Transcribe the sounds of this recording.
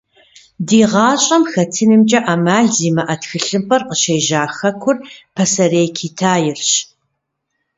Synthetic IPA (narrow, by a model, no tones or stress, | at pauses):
diːʁɑːɕʼɐmxɐtʰɨnɨmt͡ʃʼɐʔaːmaːɮziːmɐʔɐtxɨɬɨmpʰʼɐrqəʃeːʒaːxɐkʷʰʊrpʰɐsɐreːkʰiːtʰaːjɪrɕ